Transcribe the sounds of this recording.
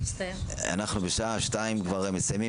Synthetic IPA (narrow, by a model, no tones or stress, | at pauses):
a̰naχnubeʃaaʃtaimkvaʁemesajmi